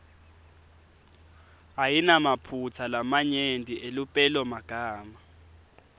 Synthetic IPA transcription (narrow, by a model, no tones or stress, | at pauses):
ajinamapʰut͡sʰalamaɲendʱʼiʔelupʼɛlɔmaɡ̥ʱaːma